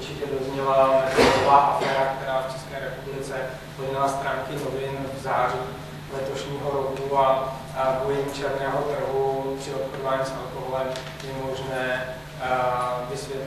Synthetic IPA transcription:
uɾt͡ʃɪcɛdozɲɛlaaaklovaːʔafɛːɾakt̪ɛɾaːft͡ʃɛskɛːɾɛpublɪt͡sɛ | poɛlast̪ɾaːŋkɪnovɪnvzaːriː | lɛt̪oʃɲiːɦoɾokua | bojɪmt͡ʃɛɾnɛːɦot̪r̩ɦupr̥ɪop̪xodovaːɲiːsʔalkoɦolɛm | jɛmo̞ʒnɛː | vɪsvjɛt̪

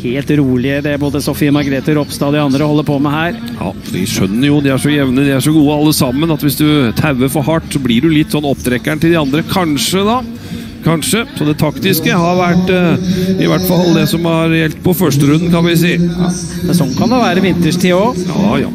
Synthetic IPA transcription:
heːlt̪ɾuːlɪəd̪ɛæboːd̪əsɔfɪəmɑɡɾeːt̪əɾɔpst̪ɑːd̪ɪɑnd̪ɾəɔhɔlːəpʰoːmɛhæːɾ | jɑ̰ːfɔɖɪ̰ʂœnːəɾjʊd̪ɪæʂɔjɛʋnəd̪ɪæʂɔɡuːəɑlːəsɑmːənɑt̪ʋɪsd̪ʉt̪ʰæʉʋəɾfɔhɑʈːsɔblɪɖʉlɪt̪ːsɔnːɔpt̪ʰɾɛkːæɳʈɪld̪ɪɑnd̪ɾəkʰɑnʂəd̪ɑ | kʰɑnʂəsɔd̪ɛt̪ʰɑkt̪ɪskəhɑɾʋæʈː | ɪʋæʈːfɑlːd̪ɛsɔmhɑɾjɛlt̪pʰɔfœʂʈəɾʉnd̪ənkʰɑnʋɪs̬iːɑ | mɛnsɔnːkʰɑnd̪ɛʋæːɾəʋɪnt̪əʂʈʰiːɔjɑ̰ːj̰

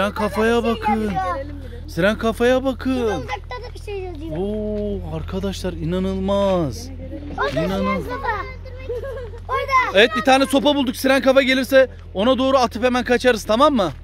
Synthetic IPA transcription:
ɾankʰafajabakʰɯn | siɾænkʰafajabakʰɯn | iʃe | oaɾkʰad̪aʃlˠaɾinanɯlˠmaz̥ | inanɯ | evɛt̪̚bit̪ʰaːnɛso̞pabulˠd̪uksiɾænkafaɟelʲiɾsɛ | o̞nad̪o̞ːɾuat̪ʰɯpemænkʰat͡ʃʰaɾɯzt̪ʰamamːa

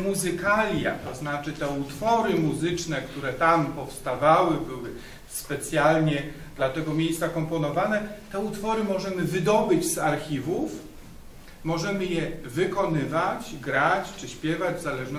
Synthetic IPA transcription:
muzɘkalʲja̰t̪ɔznat͡ʂɘt̪ɛut̪fɔɾɘmuzɘt͡ʂnɛkt̪uɾɛt̪ampɔfst̪avawɘbɘwɘ | spɛt̪sʲjalɲɛ | d̪̥lat̪ɛɡɔmʲjejst̪sakɔmpɔnɔvanɛt̪ɛut̪fɔɾɘmɔʐɛmɘvɘd̪ɔbɘd͡ʑzaɾxʲivuf | mɔʐɛmɘjɛvɘkɔnɘvat͡ɕɡɾat͡ɕt͡ʂɘɕpʲjɛvad͡ʑvzalɛʐnɔ

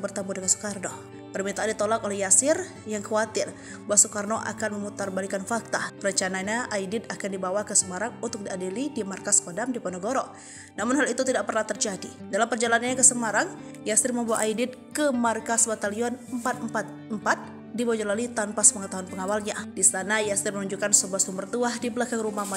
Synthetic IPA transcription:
bərt̪ambudəŋansu̥kardo | pərmint̪aʔːndit̪olakolɛhjasɪr | jaŋkəwat̪ɪr | baaʔsukarnoʔa̰kanməmut̪arbalikanfak̚t̪apəɾəɲt͡ʃanaɲaʔaidɪd̪akandibawakəsəmaɾaŋunt̪ʊk̚diadilidimarkaskodamdiponoɡoɾo | namʊnɦalit̪ut̪idaʔ̚pərnaht̪ərd͡ʒadidalampərd͡ʒalanaɲakəsəmaɾaŋ | jast̪ɾiməmbawaʔaidɪd̪̚kəmarkasbat̪aliɔnəmpat̪̚mpat̪̚mpat̪̚ | dibod͡ʒɔlalit̪anpaspəŋət̪aɦunpəŋawalɲadisanajast̪ɪrmənuɲd͡ʒukansubasumərt̪uahdibəlakaŋɾumama

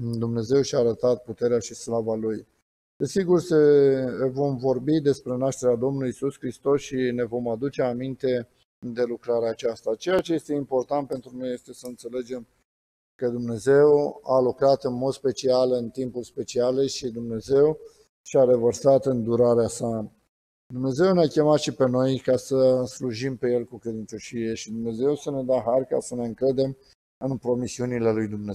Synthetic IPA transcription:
d̪umne̞ze̞wʃiaːɾət̪at̪̚put̪e̞ɾeaʃislavaluj | d̪̥e̞siɡursə | vo̞mvo̞rbid̪e̞spɾe̞naʃt̪e̞ɾead̪o̞mnuluisuskɾist̪o̞sʃine̞vo̞mad̪ut͡ʃe̞amint̪e̞ | d̪e̞lukɾaɾeat͡ʃast̪at͡ʃe̞jat͡ʃe̞je̞st̪eimpo̞rt̪ant̪̚pe̞nt̪ɾuno̞je̞st̪e̞səɨnt̪se̞le̞d͡ʒe̞m | kəd̪umne̞ze̞walukɾat̪ɨnmo̞d̪spe̞t͡ʃialɨnt̪impulspe̞t͡ʃialeʃid̪umne̞ze̞w | ʃiaɾe̞vərsat̪ɨnd̪uɾaɾeasa | d̪umne̞ze̞wneakʲe̞mat̪ʃipe̞no̞jkasəsluʒimpe̞je̞lkukɾed̪ɨnt͡ʃoʃije̞ʃid̪umne̞ze̞wsəne̞d̪aɦarka̰səne̞ɨŋkɾəd̪e̞m | ɨnpɾo̞misiunile̞lujd̪umne

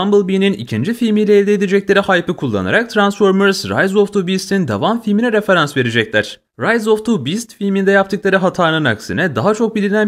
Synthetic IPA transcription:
ambɯlˠbininḭcʰind͡ʒifilʲmijlʲɛːlʲd̪ed̪ed͡ʒɛclʲe̞ɾihajpɯkʰulˠːa̰na̰ɾak̚t̪ʰɾansfoɾmøɾsɾa̰jzoft̪ʰubist̪ʰind̪a̰vamfilʲminɛɾe̞fe̞ɾansve̞ɾed͡ʒɛclʲæɾ̥ | ɾajzoft̪ʰubist̪filʲmind̪ɛjap̚t̪ɯklˠaɾɯɦat̪ʰaɾnɯnaksinɛd̪aɦat͡ʃʰo̞k̚bilʲinæn

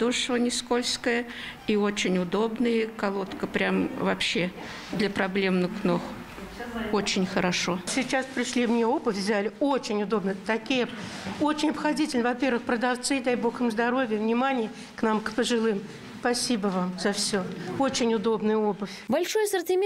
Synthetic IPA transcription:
d̪oʂvənʲɪskolʲskəjəiot͡ɕɪnʲʊd̪o̞bnɨjəkɐlˠo̞t̪kəpɾʲamvɐpɕːe | d̪lʲəpɾɐblʲemnɨxknox | ot͡ɕɪnʲxəɾɐʂo̞sʲɪt͡ɕaspɾʲɪʂlʲimnʲeo̞bɨfʲvʲzʲælʲɪot͡ɕɪnʲʊd̪o̞bnɨt̪ɐkʲijə | o̞t͡ɕɪnʲɐpxɐdʲitʲɪlʲnvɐpʲe̞rvɨxpɾəd̪ɐft̪sɨɪd̪ajbo̞xɨmzd̪ɐɾo̞vʲɪjəvnʲɪmanʲɪjɪ | knamkpəʐɨlˠɨm | spɐsʲibəvamzɐfsʲoot͡ɕɪnʲʊd̪o̞bnɨjəobɨfʲbɐlʲʂojəsərtʲɪmʲ

